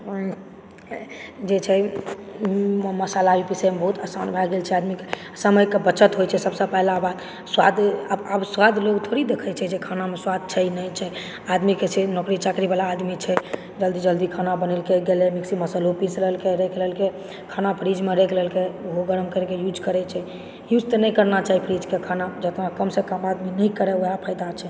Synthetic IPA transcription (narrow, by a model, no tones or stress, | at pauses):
d͡ʒet͡ʃʰɛ | məsalaipisemebəɦut̪əsanbʱaɡelt͡ʃʰɛad̪mike | səməjkebət͡ʃət̪ɦojt͡ʃʰɛsəbsə̃pɛɦlabad̪ | swad̪əəbswad̪lokt̪ʰoɾid̪ekʰət͡ʃʰɛd͡ʒekʰanameswad̪̚ʱt͡ʃʰɛjnət͡ʃʰɛ | ad̪miket͡ʃʰenɔkɾit͡ʃakɾibalaːd̪mit͡ʃʰɛ | d͡ʒəld̪id͡ʒəld̪ikʰanabənɛlkeɡelemiksiməsəlopisɾəɦəlkeɾekʰləɦlke | kʰanapʰɾid͡ʒmeɾekʰləɦlkeɦoɡəɾəmkəɾɛkejud͡ʒkəɾɛt͡ʃʰɛ | jud͡ʒt̪ənɛjkəɾnat͡ʃaɦipʰɾid͡ʒkekʰanad͡ʒət̪nakəmsẽkəmad̪minəjkəɾɛojapʰəjd̪at͡ʃʰɛ